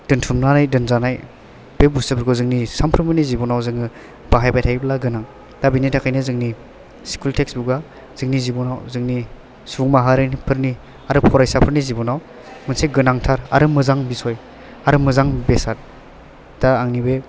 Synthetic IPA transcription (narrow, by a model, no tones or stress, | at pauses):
d̥ɯntʰumnanajdɯnzanaj | b̥ebustabʰɯɾkʰɔzɯŋnisampʰɯɾmɯnizibɔnawzɯŋɯ | b̥aɦajpajtʰaɡiblaɡɯnaŋ | d̥abinitakʰajnɯzɯŋni | si̥kʰultʰeksbuɡa | z̥ɯŋnizibɔnawzɯŋni | suŋmaɦaɾɯnipʰɯɾni | aɾɯpʰɔɾajsapʰɯɾnizibɔnaw | mɯnseɡɯnaŋtʰaɾa̰ɾɯmɯzaŋbisɔj | aɾɯmɯzaŋbesaɾ | d̥aːŋnibe